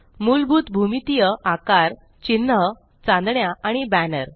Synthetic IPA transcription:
mulbʱuːt̪bʱumit̪ijəʔakaɾ | t͡ɕinːə | t͡sãnd̪ɳjaʔaɽ̃ibænəɾ

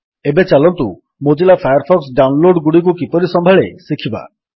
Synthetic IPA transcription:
ebet͡ʃalɔnt̪u | mod͡ʒilapʰajaɾpʰɔksɖawnloɖɡuɽik̬ukipɔɾisɔmbʱaɭesikʰiba̰

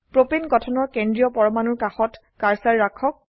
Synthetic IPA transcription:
pɹopinɡɔtʰɔnɔɹkendɹijɔpɔɹɔmanuɹkaxɔt | kaɹsaɹːakʰːɔk̚

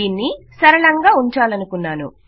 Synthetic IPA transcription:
iːnːisɐɾɐɭɐŋɡaːuɲt͡ʃaːlɐnukunːaːnṵ

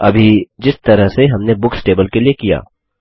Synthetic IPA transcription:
ɐbʱid͡ʒɪst̪ɐɾəɦseɦɐmnebʊksʈeːbəlkeliekija̰ː

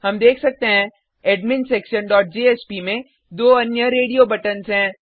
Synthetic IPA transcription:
hɐmd̪eːkʰsɐk̚t̪eɦɛ̃ | eːɖmɪnsʈeːkʃənɖɔːʈ̚d͡ʒeːeːspimẽ | d̪oːɐnjəɾeːɖiobɐʈənsɦɛ̃ː

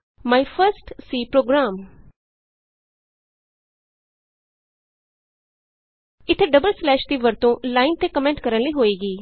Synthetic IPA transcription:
maːifʰəɾsʈsiːpɾoːɡɾaːm | ɪt̪ʰːeɖəbəlslɛːʃt̪iːʋəɾt̪õlaːɪnt̪ekəmẽːɳʈkəɾənləiːɦoːeːɡiː

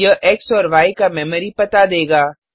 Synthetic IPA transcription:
əʔɛksɔːɾʋaːikamɛːməɾipɐt̪ad̪eːɡaː

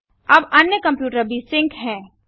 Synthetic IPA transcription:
ɐbɐnjəkɐ̃mpjuːʈəɾbʱisɪ̃ŋkʰɦɛ̃ː

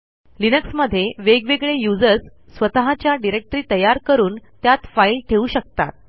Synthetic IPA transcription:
linəksməd̪ʱːjeʋeɡʋeɡɭejud͡zəɾsːʋət̪əɦat͡ɕjaɖiɾek̚ʈɾiːt̪əjaɾkəɾuːnt̪jat̪failʈʰeuːɕək̚t̪a̰t̪̚

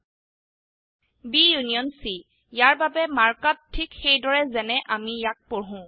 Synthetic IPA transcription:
bijunijɔnsi | jaɹbabɛmaɹkattʰːikxejdɔɹɛzɛnɛʔamijak̚poɦʊ̃

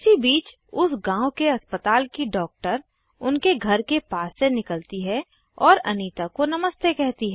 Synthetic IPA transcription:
ɪsibiːt͡ʃ | ʊsɡãːʊkeɐspət̪aːlkiɖɔːk̚ʈəɾ | ʊnkeɡʱɐɾkepaːsːenɪkəlt̪iɦɛ | ɔːɾɐ̰niːt̪akonɐməst̪ekɛɦt̪iɦɛː

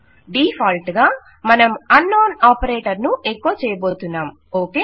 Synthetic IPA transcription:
ɖiːpʰaːlʈɡaː | mɐnɐmɐnːoːnaːpɐɾeːʈɐɾnuekːoːt͡ʃɛːjɐbo̞ːt̪unːaːm | oːkeː

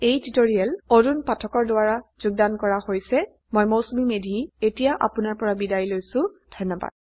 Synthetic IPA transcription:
ejtitoɹiɛlodunpatʰɔkɔɹdʊaɹaz̥ʊɡ̚dankɔɹahojsɛ | mojmowsumimedʱietijaʔa̰pʊnaɹpɔɹabidajilojsʊdʱɔnːɔba̰d̚

